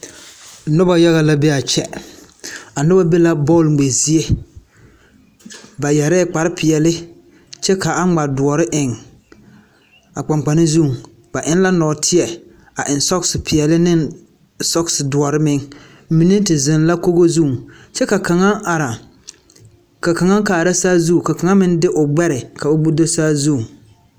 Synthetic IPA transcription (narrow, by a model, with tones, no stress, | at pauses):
nʊ˦ba˨ja˦ɣa˦la˦be˦a˨t͡ʃɛ˦ | a˨nʊ˦ba˦be˦la˦bɔ˦˨lŋ͡me˨zi˦e˦ | ba˨jɛ˨ɾɛ˦˨k͡pa˨ɾɪ˦pʰɪ˨ɛ˨lɪ˦ | t͡ʃɛ˦ka˨a˦ŋ͡ma˨dʊ˨ɔ˨ɾɪ˦ʔɪ˨ŋ | a˨k͡pa˨ŋ͡mk͡pa˨nɪ˦zu˦˨ŋ | ba˨ʔɪ˦n˦la˦nɔ˨tʰɪ˦ɛ˨ | a˨ʔɪ˨n˨sɔ˦ksɪ˨pɪ˨ɛ˨lɪ˦nɪ˦n | sɔ˦ksɪ˨dʊ˨ɔ˨ɾɪ˦mɪ˦ŋ˦ | mi˨nɪ˦tɪ˨zɪ˨nla˦ko˦ɡo˦zu˦˨ | t͡ʃɛ˦ka˨ka˨ŋa˦ʔa˨ɾa˨ | ka˨ka˨ŋa˦ŋkaː˨ɾa˦saː˦zu˦˨ka˨ka˨ŋa˦mɪ˦n˦dɪ˦ʔʊ˨ɡ͡bɛ˦ɾɪ˨kʰa˨ʊ˦bu˦do˦saː˦zu˦˨